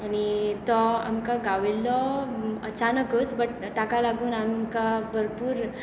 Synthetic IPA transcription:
añit̪ɔa̰mkaɡaʋelɔət͡ɕanəkət͡sbəʈ | t̪akalaɡuːnamkabʱəɾpuːɾ

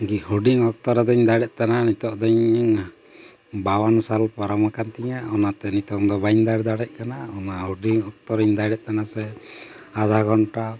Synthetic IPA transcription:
ɡihuɖiŋɔk̚t̪ɔɾɛd̪ɔɲd̪aɽɛʔ̪̚ˀt̪ananit̪ɔʔd̪ɔɲ | bawansalpɔɾɔmakant̪iɲaɔnat̪ɛnit̪ɔŋd̪ɔbaɲd̪aɾd̪aɽɛc̚kanaɔnaɦoɖiŋɔk̚t̪ɔɾɔɲd̪aɽɛʔ̚ˀt̪anasɛ | ad̪ʱaɡʱɔnʈa

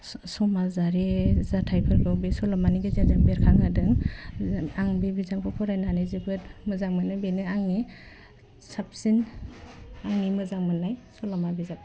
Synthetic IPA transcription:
sɔmazaɾezatʰajpʰɯɾɡɔbesɔlɔmaniɡezezaŋbeɾkʰaŋadɯŋ | aŋbibizaŋpʰɔpʰɔɾajnanazɯɡɯtmɯzaŋmɯnajbenɯaŋni | sap̚sin | aŋnimɯzaŋmɯnajsɔlɔmabizap̚

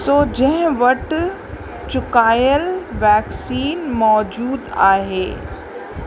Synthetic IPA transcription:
soːd͡ʑɐ̃ɦɪ̃ʋɐʈ | t͡ɕʊkaːjəlʋɛːksiːnmɔːd͡ʑuːd̪a̰ːɦeː

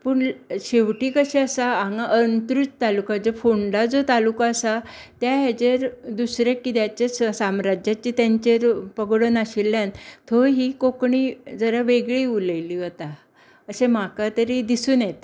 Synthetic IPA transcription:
puːɳɕeʋʈiːkəɕeəsaaŋɡaʔənt̪ɾut͡st̪alukad͡zəfoɳɖad͡zot̪alukaəsat̪jaɦat͡ɕeɾd̪usɾekːit̪jat͡ɕjassamɾad͡ʑjat͡ɕit̪jaɲt͡ɕeɾpəɡɽənaɕilːjant̪ʰoɦikokɳid͡zəɾaʋeɡɭiːuləjliːɦot̪a | əsem̤akat̪əɾid̪isuːnjet̪

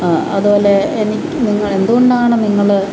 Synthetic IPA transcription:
ɐðuboːleenikʲːuniŋːɐɭe̞nd̪uɣoɳɖaːɳɨniŋːɐɭ

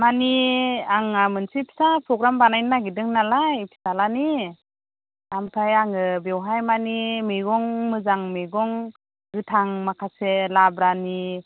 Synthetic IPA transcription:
maniaŋamɯnsipʰi̥sapʰɾɔɡɾambanajnːaɡidɯŋnalajpʰi̥salani | amtʰajaŋɯbewɦajmanimijɡɔŋmɯzaŋmeɡɔŋ | ɡɯtʰaŋmakʰaselabɾani

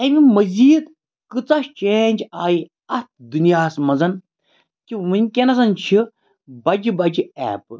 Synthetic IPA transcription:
ɐmimɐziːd̪ | kɨt͡sɐt͡ʃeːnʲd͡ʒaːji | ɐt̪̚d̪unjaːsmɐzɐn | kiʋɨnʲkʲenɐs̬ɐnt͡ʃʰi | bɐd͡ʒibɐd͡ʒiɛ̰ːp

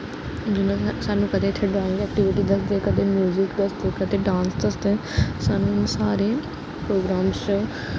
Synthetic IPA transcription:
d͡ʒɪnãːsaːnũːkəd̪eːt̪ʰːeːɖaːɪ̃ŋɡɛːk̚ʈɪʋɪʈiːd̪əsd̪eːkət̪eːmjuːzɪkd̪əsd̪eːkət̪eːɖãːnsd̪əsd̪eːsaːnũːsaːɾeː | pɾoːɡɾaːmst͡ʃə

